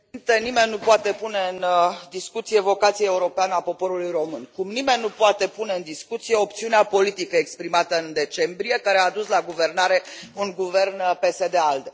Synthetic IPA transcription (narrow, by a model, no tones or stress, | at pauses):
nt̪enime̞nʲːupoat̪e̞pune̞ɨnd̪iskut̪sije̞vo̞kat̪sijeeuɾo̞peanəapo̞po̞ɾulujro̞mɨnkumnime̞nʲːupoat̪e̞pune̞ɨnd̪iskut̪sije̞op̚t̪siuneapo̞lit̪ikəekspɾimat̪əɨnd̪e̞t͡ʃe̞mbɾije̞kaɾeaːd̪uslaɡuve̞rnaɾe̞unɡuve̞rnpe̞sed̪eald̪